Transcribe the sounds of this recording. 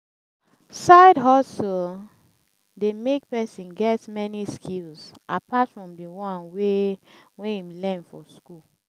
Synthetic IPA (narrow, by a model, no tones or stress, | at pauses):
saɪdɦɔsl | demek̚pɛsĩnɡɛtmɛniskʰilsʔapatfɹɔ̃mdiwɔ̃nwewɛ̃ĩmlɛ̃nfɔskul